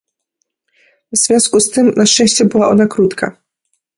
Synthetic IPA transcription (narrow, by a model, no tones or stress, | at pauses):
vz̥vʲjɔ̃w̃skust̪ɘmnaʃt͡ʂɛ̃ɕt͡ɕɛbɘwaʔɔnakɾut̪kʰa̰